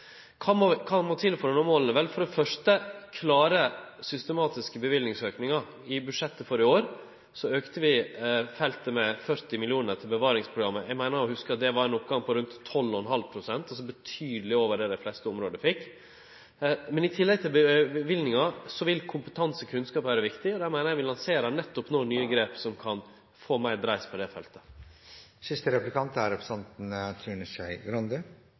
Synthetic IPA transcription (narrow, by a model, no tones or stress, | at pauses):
kʰɑmokʰɑmoːt̪ʰɪlføɾənɔmoːlənəʋɛlfɔɾɖɛfœʂʈəkʰlɑːɾəsʏst̪əmɑːt̪ɪskəbəʋɪlnɪŋsøːknɪŋɑ | ɪbʉd̪ʂɛt̪ːəfɔɾɪoːɾ | sɔøːkt̪əʋɪfɛlt̪əmɛfœɾt̪ɪmɪlɪuːnət̪ʰɪlbəʋɑːɾɪŋspʰɾʊɡɾɑmːəjæɡmæɪnəɾɔhʉskəɾɑt̪̚d̪ɛʋɑɾɛnʊpɡɑŋpʰɔɾʉnt̪ʰːɔlːɔɛnɦɑlpʰɾʊsɛnt̪ɑs̬ɔbət̪ʰyːd̪əlɪoːʋəɖɛd̪ɛflɛst̪əʊmɾoːd̪əfɪkː | mɛnɪt̪ʰɪlːɛɡ̚t̪ʰɪlbəʋɪlnɪŋɑsɔʋɪlkʰʊmpət̪ʰɑnsəkʰʉnskɑːpʋæːɾəʋɪkt̪ɪɔd̪æmæɪnəjæʋɪlɑnseːɾɑnɛt̪ːɔpnoːnyːəɡɾeːpsɔmkʰɑn | foːmæɪd̪ɾæɪspʰɔd̪ɛfɛlt̪ə̥ | sɪst̪əɾɛplɪkʰɑnt̪əæɾɛpʰɾsɛnt̪n̩t̪ʰɾʉːnəʃæɪɡɾɑnd̪ə